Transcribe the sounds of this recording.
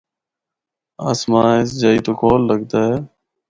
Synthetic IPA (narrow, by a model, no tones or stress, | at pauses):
aːsmaːɪsd͡ʒaːiːt̪oːkoːlːəɡd̪aːɦɛː